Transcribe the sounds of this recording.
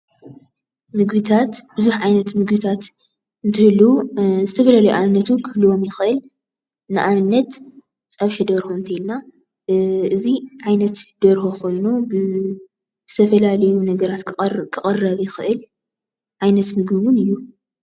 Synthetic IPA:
mɨɡbɨt̪ʰat̪b̥ɨzuħʕajnɐt̪mɨɡbɨt̪ʰat̪ | ɨnt̪ʰɨhɨlːuzɨt̪ʰɐfɐlalɐjuʔʕaβɨnːɐt̪ʰukʰɨhlɨwo̞mjɪxɨʔɨl | nɨʔaβɨnːɐt̪ | t͡sʼaβʃɐd̪ɐɾhoɨnt̪ʰɐilna | ɨziʕajnɐt̪d̪̥ɐɾhokʰo̞jnubɨ | z̥ɨt̪ʰɐfɐlalɐjunɐɡɐɾat̪kʰɨχʼɐrːɐβjɪxɨʔɨl | ʕajnɐt̪mɨɡɨβunɨjːu

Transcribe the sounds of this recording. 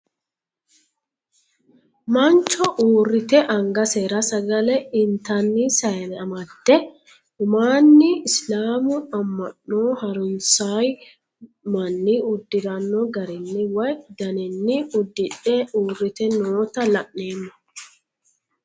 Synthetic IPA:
mɐnt͡ʃːɔʔuːrːɪt̪ɛʔɐŋɡɐseːɾɐsɐɡɐlɛɪnt̪ɐnːɪsɐjnɐmɐt̪ːɛ | ʊmaːnːɪɪslaːmʊɐmːɐʔnoːhɐɾʊnsaj | mɐnːɪʊd̪ːɪɾɐnːɔɡɐɾɪnːɪwɐjd̪ɐnɪnːɪʊd̪ːɪᶑɛʔuːrːɪt̪ɛnoːt̪ɐlɐʔːe̞ːnːɐ

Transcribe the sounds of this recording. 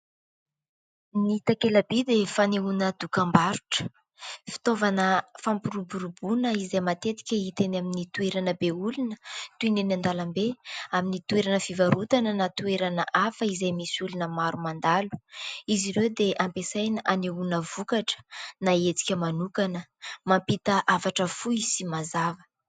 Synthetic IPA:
niit̪akelabid̪efaneunəd̪̥ukambaɾuʈ͡ʂə̥ | fi̥t̪ovanəfampuɾubuɾubunəizajmat̪et̪i̥kʲəit̪enaminit̪ueɾanəbeulunət̪uinenand̪alambeaminit̪ueɾanəfivaɾut̪anənat̪ueɾanəʔafəizajmisulunəmaɾumand̪alu̥iziɾewd̪eʔampesajnəʔaneunəvukaʈ͡ʂə̥naet͡si̥kʲəmanukanəmampit̪əʔafaʈ͡ʂəfuisimazavə̥

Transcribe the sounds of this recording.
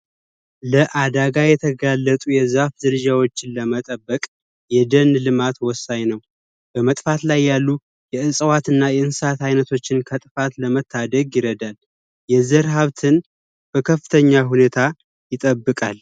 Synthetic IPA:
ləʔad̪aɡajɛt̪ʰəɡalːət̪ʼujɛzafzɨɾɨd͡ʒawot͡ʃːɪnləmət̪ʼəbːəkʼ | jɛd̪ənlɨmat̪wɔsːaɲnəw | b̥əmət̪ʼfat̪lajːalːu | jɛɨsʼəwat̪ɨnːajɛɨnsat̪ajnət̪ʰo̞t͡ʃːɪnkʰət̪ʼɨfat̪ləmət̪ʰːad̪əɡjɪɾəd̪al | jɛzəɾɦaβt̪ʰɨn | b̥əkʰəfːɨt̪ʰəɲːaɦune̞t̪ʰa | jɪt̪ʼəbːɨkʼal

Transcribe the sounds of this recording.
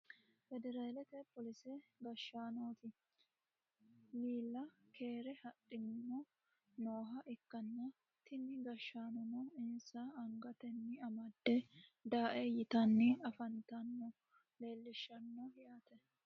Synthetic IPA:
fɛd̪ɛɾaːlɛt̪ɛpːɔlɪsɛɡɐʃːaːnoːt̪ɪ | liːlːɐkʰe̞ːɾɛhɐɗːɪnɪmɔ | noːɦɐʔɪkːɐnːɐ | t̪ɪnːɪɡɐʃːaːnɔnɔɪnsaɐŋɡɐt̪ɛnːɪɐmɐd̪ːɛd̪aːʔɛjɪt̪ɐnːɪɐfɐnt̪ɐnːɔ | le̞ːlːɪʃːɐnːɔjaːt̪ɛ

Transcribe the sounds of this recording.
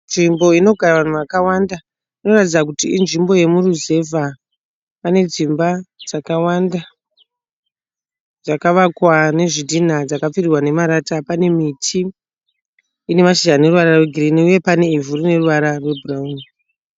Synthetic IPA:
nʐimbo̞ino̞ɡʱaɾaʋan̤uʋakawanda | ino̞ratid͡zakutiinʐimbo̞je̞muruze̞va | pane̞d͡zimbad͡zakawanda | d͡zakaʋakwane̞ʐidʱin̤ad͡zakap͡firirwane̞maɾatapane̞mitʰi | ne̞maʃiʒane̞ruʋaɾarweɡʱiriniuje̞pane̞ivuɾine̞ruʋaɾarwe̞burauni

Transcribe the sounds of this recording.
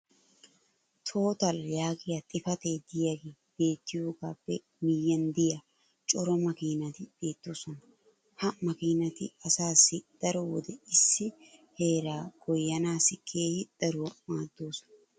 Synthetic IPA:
t̪ʰo̞ːt̪ɐljaːɡɪjat̪ʼɪfɐt̪e̞ːd̪ɪjɐɡeː | b̥e̞ːt̪ːɪjo̞ːɡaːpːɛ | mɪjːɐnd̪ɪja | t͡ʃʼɔɾɔmɐkiːnɐt̪ɪb̥e̞ːt̪ːo̞ːsɔnɐ | hɐmɐkiːnɐt̪ɪ̰ɐsaːsːɪd̪̥ɐɾɔwɔ̰d̪ɛɪsːɪhe̞ːɾaːɡ̥ɔjːɐnaːsɪkʰeːhɪd̪̥ɐɾowmaːd̪ːoːsɔ̥nɐ

